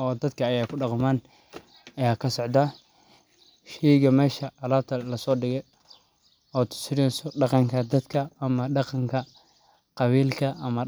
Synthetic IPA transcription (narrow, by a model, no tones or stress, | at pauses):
ɔːd̪ɐd̪kʰɐːjaːkʰʊɖɑqmaːn | ɐjaːkʰɐsɔʕd̪a | ʃɛjɣɐmɛːʃɐʔɐlaːt̪ʰɐlɐsɔːɖɪɣɛj | ɔːt̪ʰʊ̥sɪɾinsɔɖɑqɑŋkʰɐd̪ɐd̪kʰɐːmɐɖɑqɑŋkʰɐ | qɑβiːlkʰɐʔɐmɐ